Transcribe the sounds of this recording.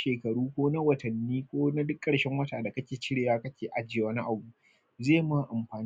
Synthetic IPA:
ʃeː˨kɐ˨ɽuː˦kʷoː˦na˦wɐ˨tɐ˨nːiː˦kʷoː˦na˦dʊ˦kʼːɐ˨ɽʃɛ˦ŋwɐ˦taː˨da˨kɐ˦kʲeː˨t͡ʃɪ˦ɽeː˨waː˦kɐ˦kʲeː˨ʔa˦d͡ʒɪ˦˨wɐ˦ni˦ʔa˨bu˦ | zeː˦˨ma˦ʔa˨mɸaː˨n

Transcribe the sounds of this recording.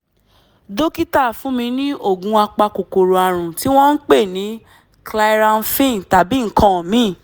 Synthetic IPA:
do˦ki˦ta˦˨fũ˨˦mĩ˧nĩ˦o˦˨ɡũ˨˦a˧k͡pa˧ko˨ko˨ɾo˧a˧˨ɾ̃ũ˨ti˨˦w̃ɔ̃˦n̩˦k͡pe˦˨nĩ˨˦ | kla˧i˦ɾa˧n˦fĩ˦˨n˨ta˨bi˨˦ŋ̩˨kã˨mĩ˨˦˨

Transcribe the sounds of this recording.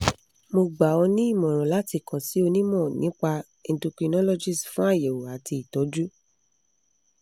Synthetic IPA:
mo˧ɡ͡ba˨ɔ˧nĩ˦i˦˨mɔ̃˨ɾ̃ɔ̃˨la˨˦ti˧kɔ̃˨si˨˦o˧nĩ˦mɔ̃˦˨nḭ̃˨˦k͡pa˧ | ẽ˧˦du˧ki˧nɔ̃˦lɔ˦˨d͡ʒi˨sfũ˦a˦˨je˨wo˨a˨ti˧i˨tɔ˨˦d͡ʒu˦

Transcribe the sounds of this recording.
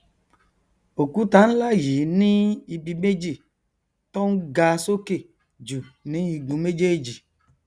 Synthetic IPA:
o˨ku˦ta˨˦n̩˦la˦˨ji˨nĩ˦i˧bi˧me˦d͡ʒi˦˨ | tɔ˦n̩˦ɡa˧˦so˦ke˦˨ | d͡ʒu˨nĩ˨˦i˧ɡũ˧˦me˦d͡ʒe˦e˦d͡ʒi˨

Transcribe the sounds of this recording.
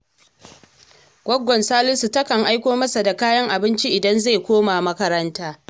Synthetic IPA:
ɡʷɔ˦ɡʷɔ˨nsaː˦lɪ˦su˨tɐ˦kɐ˨ŋʔa˦jkʷoː˦mɐ˦sa˨da˨kaː˦jɐ˦ŋʔa˨bɪ˦nt͡ʃi˦ʔɪ˨dɐ˦nza˦˨jkʷoː˦ma˨mɐ˦kɐ˦ɾɐ˦ntaː˦

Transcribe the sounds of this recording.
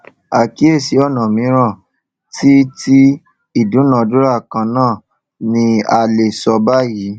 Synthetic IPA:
a˨ki˨˦e˦˨si˨˦ɔ˦˨nã˨mĩ˨˦ɾ̃ã˦˨ | ti˦tʰi˦ | i˦˨dũ˨˦nã˨˧˨du˦ɾa˦˨kã˧nãː˦˨ | nĩ˧a˧le˨sɔ˧ba˦ji˨˦

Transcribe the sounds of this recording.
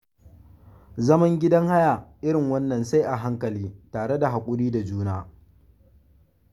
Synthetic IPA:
zɐ˦mɐ˦ŋɡʲɪ˦dɐ˦ŋha˦ja˨ʔɪ˦ɾɪ˨ŋwɐ˦nːɐ˨nsa˦jʔa˨ɦa˦ŋkɐ˨liː˦taː˨ɽe˦da˨ɦa˨kʷʼʊ˦ɽiː˦da˨d͡ʒuː˦naː˦

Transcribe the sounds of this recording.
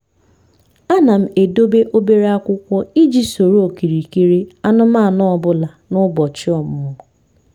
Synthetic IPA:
a˦na˨m̩˦e˨do˦be˦ʔo˦be˦ɾe˦a˦kʷʊ˦kʷɔ˦i˦d͡ʒi˦so˨ɾo˨ki˨ɾi˨ke˦ɾe˦a˦nʊ˦ma˦˨nɔ˦ɔ˨˦bʊ˦la˨nʊ˦bɔ˨t͡ʃɪ˦ɔ˨m˨ʊ˨˦

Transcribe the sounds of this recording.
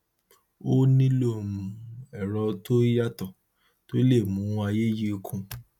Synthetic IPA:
o˦nĩ˦lo˦˨mũ˨ɛ˨ɾɔ˧to˦i˦ja˦tɔ˨ | to˦le˦˨mũ˨˦ũ˧˦a˧je˦ji˦o˧kʰũ˦

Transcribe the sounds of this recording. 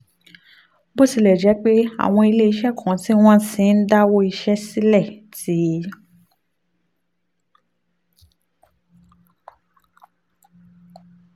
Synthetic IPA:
bo˦˨si˧lɛ˨d͡ʒɛ˨˦k͡pe˦a̰˨w̃ɔ̃˧i˧le˦i˧˦ʃɛ˦˨kʰã˨ti˦w̃ɔ̃˦sĩ˨˦n̩˦da˦wo˦i˧ʃɛ˦si˦lɛ˦˨ti˨˦

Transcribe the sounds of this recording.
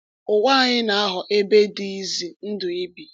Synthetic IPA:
ʊ˨wa˦˨ɲɪ˦na˨a˦ɦʊ˨ʔe˦be˦di˦i˦zi˨n̩˦dʊ˨i˦bi˨

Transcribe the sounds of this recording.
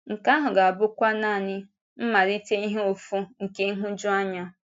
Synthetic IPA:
ŋ̩˨ka˦ɦʊ˨ɡa˨a˨bʊ˦kʷa˦na˦˨ɲɪ˦ | m̩˦ma˨ɾi˦te˦i˦ɦe˦o˨fu˦ŋ̩˨ke˦ŋ̩˦ɦʊ˦d͡ʒʊ˦a˦ɲa˦

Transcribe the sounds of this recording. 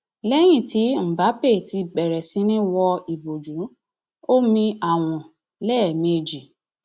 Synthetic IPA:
lɛ˦j̃ĩ˦˨ti˨˦m̩˨ba˨˦pe˦˨ti˧bɛ˨ɾɛ˨sĩ˨˧˦nĩ˦wɔ˧i˨bo˨d͡ʒũ˨˦ | o˦mĩ˧a˨w̃ɔ̃˨ | lɛː˦˨mẽ˦˨d͡ʒi˨

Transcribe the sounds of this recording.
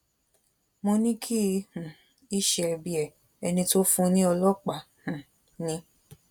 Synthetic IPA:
mõ˧nĩ˦kʰi˦˧hũ˨ | i˦ʃɛ˧ɛ˧bi˧ɛ˨ | ɛ˧nĩ˧to˦fũ˦nĩ˦ɔ˧lɔ˦k͡pa˨ | hũ˨ | nĩ˧

